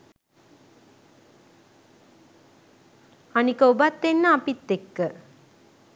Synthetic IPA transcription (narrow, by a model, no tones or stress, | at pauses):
anikəubat̪ːenːəapit̪ːekːə